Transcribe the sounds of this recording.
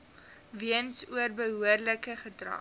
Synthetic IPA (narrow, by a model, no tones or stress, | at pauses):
viənsuərbəɦuərləkəχədrɐ̰